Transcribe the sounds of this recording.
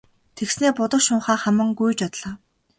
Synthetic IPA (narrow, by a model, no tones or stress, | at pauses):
t̪ʰeksneːpʊt̪ə̆kʃʊːɴχaːχæmə̆ŋɡujt͡ɕɔt̪ɮ̥aː